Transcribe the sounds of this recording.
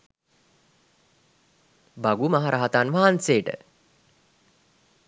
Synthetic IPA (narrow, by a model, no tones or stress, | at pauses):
baɡumaɦaɾaɦat̪anʋaɦanseːʈə̰